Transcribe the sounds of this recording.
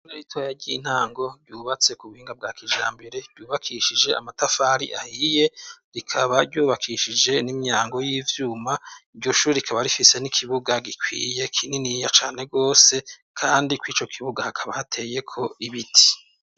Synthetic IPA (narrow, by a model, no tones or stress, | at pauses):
oɾeɾitʰoːjaɾɟin̥haːŋɡo̞ɾɟuːβat͡se̞kuβuhiːŋɡab̚ɡaːkiʒa̰ːmbe̞ɾe̞bɟuːβakʰiʃid͡ʒe̞a̰matafaːɾḭʔa̰hije̞ɾikʰaβaɾɟuːβakʰiʃid͡ʒe̞nimɲaːŋɡo̞jiːvjuːmaiɾɟo̞ʃuːɾeɾikʰaβaɾifise̞nikʰiβuɡaɡikwḭːje̞kʰininijat͡ʃaːne̞ɡo̞ːse̞ | kʰaːndikwiːt͡ʃo̞kʰiβuɡahakʰaβahatʰe̞je̞kʰo̞iβitʰi̥